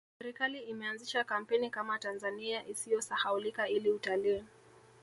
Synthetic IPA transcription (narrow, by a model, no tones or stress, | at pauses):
sɛɾikaliimɛanziʃakam̩pɛnikamatanzaniaʔisijɔsahaulikailiutaliː